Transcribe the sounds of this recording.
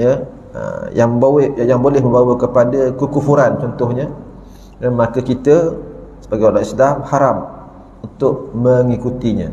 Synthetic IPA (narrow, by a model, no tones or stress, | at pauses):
jə | ə̰jaŋbajaŋbolɛhmə̃mbawakəpadakukufuɾant͡ʃɔnt̪ʊhɲa | danməakəkit̪əsəbaɡajalaʔislamhaɾam | unt̪ʊʔməŋikut̪iɲã̰